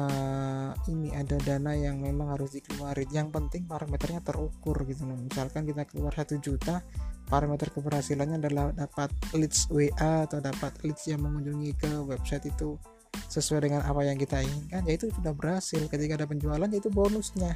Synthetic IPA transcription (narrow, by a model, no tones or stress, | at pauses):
ə | iniadadanajaŋmemaŋhaɾʊsdikəluaɾijaŋpənt̪ɪŋpaɾamet̪ərɲat̪əɾukʊrɡit̪unamisalkankit̪akəluarsat̪ud͡ʒut̪apaɾamet̪ərkəbərhasilanɲaːdalahdapat̪̚lɪt̪sueʔaat̪adapat̪̚lɪt̪sjaŋməŋuɲd͡ʒuŋikəwɛbsajt̪it̪u | səsuajdəŋanʔa̰pajaŋkit̪aiŋɪnkand͡ʒait̪usudahbəɾhasɪlkət̪ikaːdap̬əɲd͡ʒualand͡ʒait̪ubonʊsɲa